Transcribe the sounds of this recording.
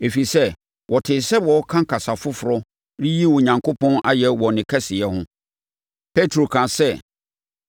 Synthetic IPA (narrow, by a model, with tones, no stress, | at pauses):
e˨fi˨sɛ˦ | wʔɔ˨tʰɪ˨sɛ˦wɔ˨ɔ˦kʰã˦kʰa˨sa˨fʊ˦fʊ˨ɾɔ˦ | ɾi˦ji˦wɔ˨ɲã˨ŋkʰo˦pʰɔ̃˦na˦jɛ˦wɔ˨nɪ̃˨kʰɛ˦sɪ˨ɛ˦hʊ̃˦ | pʰe˦tʰɾo˨kʰã˨sɛ˦